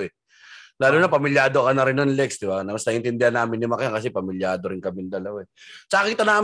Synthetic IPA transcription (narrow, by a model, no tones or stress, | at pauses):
ʔɛ | laːlunɐpɐmɪljaːd̪okɐnɐɾɪnːonlɛk̚sd̪ɪbanɐmɐsnɐʔɪnt̪ɪnd̪ɪhɐnːaːmɪnːɪmɐkjaŋkɐs̬ɛpɐmɪljaːd̪o̞ɾɪnkɐmɪnd̪ɐlɐwaɛsɐʔɐkiːt̪ɐnaː